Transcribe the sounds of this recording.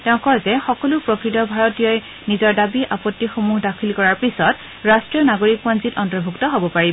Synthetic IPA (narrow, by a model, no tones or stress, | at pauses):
tɛʊ̃kɔɹzɛxɔkɔlʊpɹɔkɹitɔbʱaɹɔtijɔj | nizɔɹdabiʔapɔtːixomuɦdakʰilkɔɹaɹpisɔt | ɹastɹijɔnaɡoɹik̚panzitɔntɔɹbʱuktɔɦobɔpaɹi